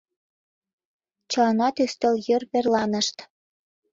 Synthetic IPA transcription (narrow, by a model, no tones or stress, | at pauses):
t͡ɕɤlnɑt̪yst̪ə̆ljørβerlɑnə̆ʃt̪